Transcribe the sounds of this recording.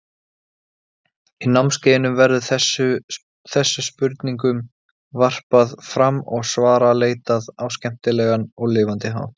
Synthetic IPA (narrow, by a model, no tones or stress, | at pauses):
inawmscejɪnʏmvɛɾðʏɛʏ | θɛsːʏspʏɾt̪niŋkʏm | var̥paðfɾamːɔɣsvaːɾaleːjt̪aðawscɛm̥t̪ɪlɛːɣanɔɣlɪːvant̪ɪɦa̰ːw